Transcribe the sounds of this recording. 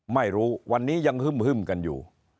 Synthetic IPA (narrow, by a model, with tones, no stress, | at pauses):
ma˥˩jɾuː˦˥wa˧nːiː˦˥ja˧ŋhʰɯ˥˩mhʰɯ˥˩mka˧njṵː˨˩